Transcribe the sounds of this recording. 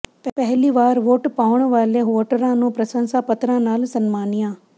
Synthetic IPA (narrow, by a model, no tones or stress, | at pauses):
pɛɦliʋaːɾʋoːʈpaːʋɳ̃ʋaːleoːʈəɾãːnũpɾɐsə̃nsapɐt̪ɾãnaːlsɐnmaːnijãː